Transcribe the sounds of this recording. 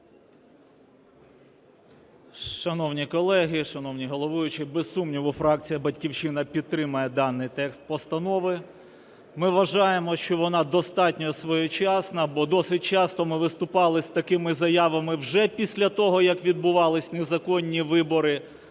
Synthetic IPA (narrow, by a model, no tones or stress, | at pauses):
ʃɐnɔwnʲikɔlˠɛɦɪʃɐnɔwnʲiɦɔlˠɔʋʊjʊt͡ʃɪbesːumnʲiʋʊfɾɑk̚t͡sʲijɐbɐtʲkʲiwt͡ʃɪnɐpʲid̪̚t̪ɾɪmɐjɛd̪ɑnːɪjt̪ɛkst̪̚pɔst̪ɐnɔʋɪ | mɪʋɐʒɑjemɔʃt͡ʃɔʋɔnɑd̪ɔst̪ɑtʲnʲɔsʋɔjɔt͡ʃɑsnɐbɔd̪ɔsɪt̚ʲt͡ʃɑst̪ɔmɪʋɪst̪ʊpɑlˠɪsʲt̪ɐkɪmɪzɐjaʋɐmɪwʒɛpʲisʲlʲɐt̪ɔɦɔjɐkʋʲid̪̚bʊʋɑlˠɪsʲnezɐkɔnʲːiʋɪbɔɾɪ